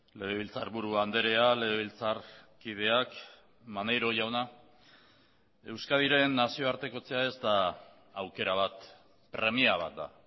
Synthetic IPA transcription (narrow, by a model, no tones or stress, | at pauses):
le̞βeβilt͡saɾβuɾuand̪e̞ɾe̞ale̞ɣeβilt͡sarkið̞e̞ak | manejɾo̞ʝawna | e̞wskaðiɾe̞nːasio̞aɾt̪e̞ko̞t͡se̞ae̞zt̪aː | wke̞ɾaβ̞at̪ | pɾe̞miaβ̞a̰t̪̚d̪a̰